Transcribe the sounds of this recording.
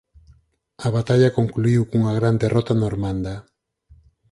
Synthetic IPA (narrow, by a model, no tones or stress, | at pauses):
aβat̪aʎako̞ŋkluiwkuŋaɣ̞ɾand̪erʔot̪anoɾmand̪a